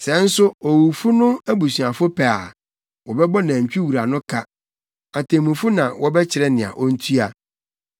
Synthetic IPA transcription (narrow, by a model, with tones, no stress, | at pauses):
sɛ˨˦n̩˦sʊ˦ɔ˨wu˨fu˦nʊ̃˦æ˦bu˨sɥa˨fʊ˦pʰæ˨a˨ | wɔ˨bɛ˦bɔ˦nã˨ɲ˨t͡ɕᶣi˦wu˨ɾa˨nʊ̃˦kʰa˦ | a˨tʰẽ˨mũ˨fu˦nã˨wɔ˦bɛ˦t͡ɕʰɪ˨ɾɛ˦nɪ̃˨ã̰˨ʔɔ˦n̩˦tʰu˦a˨